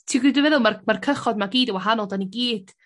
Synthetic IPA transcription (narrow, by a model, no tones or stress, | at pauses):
tʰiɡiduvɛðʊlˠmarmarkʰəχɔdmaɡiːdəwaɦanɔlˠdaniɡiːd̥